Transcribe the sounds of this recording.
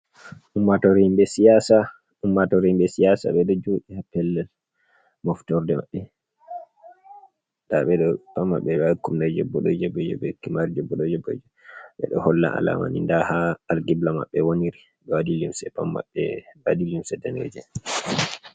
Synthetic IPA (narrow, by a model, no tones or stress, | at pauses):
ʔumːatɔɾimbɛsijasa | umːatɔɾimbɛsijasa̰ɓɛɗɔd͡ʒoːɗihapːɛlːɛl | mɔftɔɾdɛma̰ɓːɛ | ndaɓɛɗɔpamːaɓːɛakumnad͡ʒɛbːɔɗɔd͡ʒɛbɛd͡ʒɛ̰ɓɛkimaɾid͡ʒɔbːɔɗɔd͡ʒɛbɔ̰d͡ʒɛ | ɓɛ̰ɗɔ̰hɔlːa̰a̰la̰ma̰nḭndahaːlɡiblama̰ɓːɛwoniɾi | badilimsɛpamːa̰ɓɛbadilimsɛdɛnɛ̰d͡ʒɛ